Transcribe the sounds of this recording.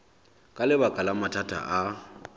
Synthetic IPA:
kʼalɪbakʼalamatʰatʰʼa̰ʔa

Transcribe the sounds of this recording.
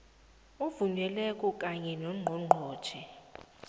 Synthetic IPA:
uvuɲwɛlɛkʼɔkʼaɲɛnɔŋ͡ǃʱɔŋ͡ǃʱɔ̥ːʒ̥ʰʱɛ

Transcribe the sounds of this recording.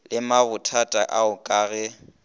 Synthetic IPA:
lɪmaβʊtʰatʼaʔaʊkʼaːɣɛ

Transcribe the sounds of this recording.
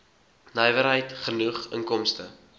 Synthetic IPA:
nɐjvəɾɦəjtχənuχə̰ŋkɔmstə

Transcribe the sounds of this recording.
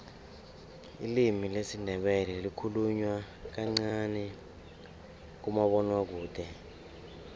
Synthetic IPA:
ḭlimilesindʱɛɓɛlɛlikʰuluɲwak̬aŋ͡ǀanɛ | k̬umaɓɔnwak̬uːd̥ʱɛ

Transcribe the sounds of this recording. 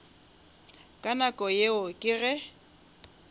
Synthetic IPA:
kʼanakʼɔjeʊkʼɪɣɛ

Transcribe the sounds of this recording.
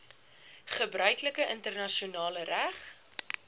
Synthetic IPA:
χəbrœɥkləkəʔəntərnɐʃiunɑːləræχ

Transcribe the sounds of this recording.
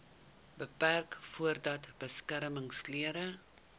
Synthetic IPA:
bəpærkfuərdɐtb̥əskæɾməŋsliəɾə

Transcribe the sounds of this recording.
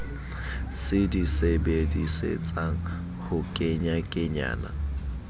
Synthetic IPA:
sɪdisebedisḛt͡sʼaŋ̩ | hʊkʼeɲakʼɪɲa̰ːna̰

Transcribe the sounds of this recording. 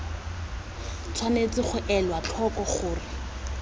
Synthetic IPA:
t͡sʰwanet͡sɪχʊʔɛlwat͡ɬʰɔkɔχʊːrɪ

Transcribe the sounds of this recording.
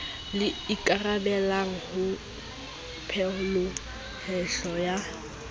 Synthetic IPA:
lɪikʼarabɛlaŋ̩hʊ | pʰɛʊlʊ | hɛɬɔja

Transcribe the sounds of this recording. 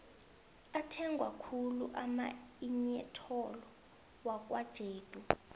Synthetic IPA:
atʰɛŋɡʱwa̰kʰuluʔamaiɲɛtʰɔlɔ | wak̬ʼwad̥ʒ̥ʱeːd̥ʱu

